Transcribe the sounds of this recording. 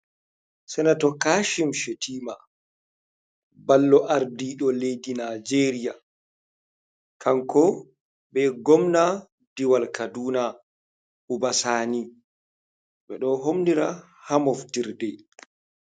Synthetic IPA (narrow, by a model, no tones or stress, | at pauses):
sɛnatɔkaːʃimʃetʰiːma | balːɔʔaɾdiɗɔlejdinad͡ʒeɾija | kʰaŋkɔ | bɛɡɔmna | diwalkaduːna | ʔubasaːni | ɓɛɗɔɦomniɾa | hamɔfdiɾdɛ